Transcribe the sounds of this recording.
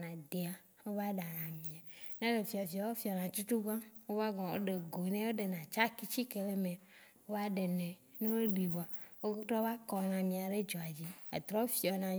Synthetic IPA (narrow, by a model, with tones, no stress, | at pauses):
nã˨d̪e˨a˨ | wo˦va˦ɖa˨nã˨mĩ˨a˨nẽ˦le˨fi˨a˨fi˨a˨wo˦fi˨ɔ˨nã˨t͡ʃu˦t̪u˦ɡã˦wo˦va˦ɡɔ̃˨wo̰˦ɖe˨ɡo˨˦nẽ˦wo˦ɖe˨nã˨t͡ʃa˦ki˦t͡ɕi˦ke˨le˦mẽ˨wo˦va˦ɖe˨nẽ˨ | nẽ˦wo˦ɖi˨vɔ˨a˨wo˦tɾɔ˦va˦kɔ˨nã˨mĩ˨a˨ɖe˦d͡ʒɔ˨a˨d͡ʑi˦ḛ˨t̪ɾɔ˦wo˦fi˦ɔ˨nã˨